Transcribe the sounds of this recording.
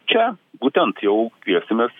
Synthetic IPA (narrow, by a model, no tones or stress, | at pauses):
t͡ʃʲɛbut̪ʲɛnt̪jɛʊkʲiɛsʲɪmʲɛs